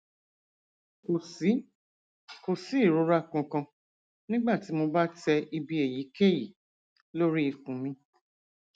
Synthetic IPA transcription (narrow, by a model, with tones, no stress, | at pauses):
ko˨si˨˦ | ko˨si˨˦i˦˨ɾo˨˦ɾa˦kũ˨˧kã˧ | nĩ˦ɡ͡ba˦˨ti˨˦mo˧ba˦tɛ˧i˧bi˧e˨ji˨˦ke˦˨ji˨ | lo˦ɾi˦i˧kũ˨˦mĩ˧